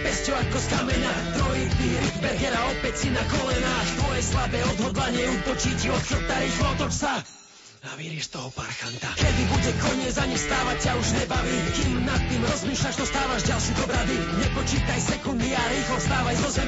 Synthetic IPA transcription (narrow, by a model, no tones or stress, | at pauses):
pɛscɔakɔskamɛna | t̪ɾɔɦit̪iɾik̪bɛɾɡɛɾaɔpɛcsinakɔlɛnat̪ʋɔjɛslabɛːɔd̪ɦɔd̪laɲɪɛut̪ɔt͡ʃicɔt̪xət̪aɾiːxlɔɔt̪ɔt͡ʃsa | aʋiɾiʃt̪ɔɦɔpaɾxant̪akɛd̪ibuɟɛkɔɲɪɛzaɲimst̪aːʋac̚t͡ɕauʒɲɛbaʋiːkiːmnat̪ːiːmɾɔzmiːʃlaʃt̪ɔst̪aːʋaʒɟalʃid̪ɔbɾad̪i | ɲɛpɔt͡ʃiːt̪ajsɛkund̪iaɾiːxlɔst̪aːʋajzɔzɛm